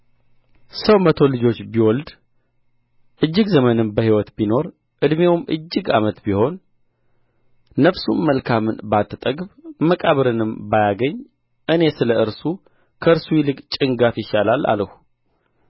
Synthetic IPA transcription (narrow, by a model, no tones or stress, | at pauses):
səwmət̪ʰo̞lɨd͡ʒo̞t͡ʃːbiwɔld̪ | ʔɨd͡ʒːɨɡzəmənɨmbəhiwɔt̪bino̞ɾ | ʔɨd̪mewmʔɨ̰d͡ʒːɪɡa̰mət̪biho̞n | əfsṵnməlkʰamɨnbat̪ʰːɨt̪ʼəɡβməkʼaβɨɾɨnɨmbajaɡəɲː | ʔɨne̞sɨləɨɾsu | kʰəɨɾsujɪlɨkʼt͡ʃʼɪŋɡafjɪʃalala̰ləhu